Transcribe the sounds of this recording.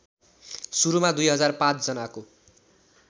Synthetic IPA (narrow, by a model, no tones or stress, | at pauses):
suɾumad̪ujɦʌd͡zarpãt͡sd͡zʌnako